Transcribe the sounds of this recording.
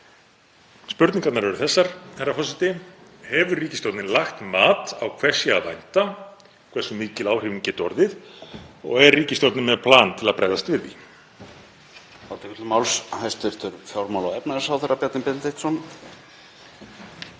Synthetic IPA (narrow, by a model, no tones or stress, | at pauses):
spʏɾt̪niŋkat̪naɾvɛɾʏθɛsːaɾ̥haɾːafɔsɪt̪ɪhɛvʏrriːcɪst̪ɔwt̪nɪnlaxt̪maːt̪a̰wkʰvɛr̥sjɪaðvajn̥t̪a | kʰvɛ̥sːʏmɪːcɪlaːwhɪviɲcɪt̪ɔɾðɪð | ɔ̰ɣɛrriːcɪst̪ɔwt̪nɪmɛðpʰlaːnt̪ʰɪlaðpɾa̰ːjðast̪vɪɾðḭ | awt̪ɪʏt̪lʏmawlshajst̪ɪɾ̥t̪ʰʏɾfjawɾmawlawɛpnaðɛ̥sawθɛɾapjat̪nɪnpɛt̪nt̪eht̪sɔn